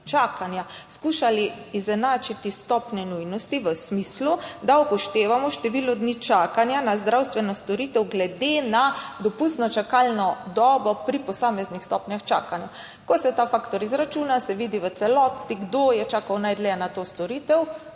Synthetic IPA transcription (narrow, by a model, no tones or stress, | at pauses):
t͡ʃakanja | skuːʃaliː | zɛnaːt͡ʃit̪ist̪ɔpnɛnujnɔst̪iʋəsmiːslud̪aupɔʃt̪eːʋamɔʃt̪ɛʋilɔd̪nit͡ʃaːkanjanazd̪ɾawst̪ʋɛnɔst̪ɔɾiːt̪ɛwɡlɛd̪enad̪ɔpust̪nɔt͡ʃakaːlnɔd̪ɔːbɔpɾipɔsaːmɛznixst̪ɔːpnjaxt͡ʃa̰ːkanja | kɔsɛt̪afaːkt̪ɔɾizɾat͡ʃuːnasɛʋid̪iʋət̪sɛlɔt̪iɡd̪ojɛt͡ʃaːkawnajd̪lɛnat̪oːst̪ɔɾiːt̪ɛw